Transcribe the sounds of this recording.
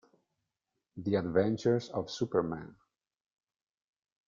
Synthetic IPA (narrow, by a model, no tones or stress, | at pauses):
ðiɨdvɛ̃nt͡ʃəɹzɔv̥supə˞mæ̰̃n